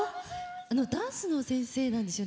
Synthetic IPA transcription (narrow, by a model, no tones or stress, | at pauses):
ano̞d̪ãɰ̃sɨno̞sẽ̞ɰ̃se̞ːnãnd̪esɨjo